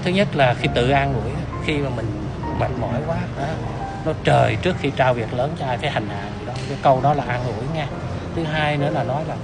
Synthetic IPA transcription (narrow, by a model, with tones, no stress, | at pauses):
t̪ʰɨ˨˦ɲə˦˥t̚laː˨˩xi˧t̪ɨ̰˧˨ʔaː˧nŋṵ˧˩əj | xi˧maː˨˩mï˨˩ŋ̟ | ma̰˨˩k̚mɔ̰˧˩˦jkwaː˨˦ʔɔ˨˦ | nɔ˨˦t͡ɕəː˨˩jt͡ɕɨ˦˥ək̚xi˧t͡ɕaː˧wvi˨˩ək̚ləː˨˦nt͡ɕɔ˧ʔaː˧jkaː˨˦jha˨˩jŋ̟ʔa̰ː˧˨nzḭ˧˩ɗɔ˨˦t͡ɕɔ˨˦kə˧wɗɔ˨˦laː˨˩ʔaː˧nŋṵ˧˩əjŋɛ˧ | t̪ʰɨ˨˦ɦaː˧jnɨ̰˧˥ənaː˨˩nɔ˨˦jlaː˨˩